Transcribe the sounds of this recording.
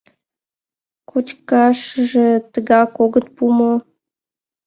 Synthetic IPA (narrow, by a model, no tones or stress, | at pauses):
kʰut͡ɕkɑʃəʒet̪əɣɑkoɣət̪̚pumo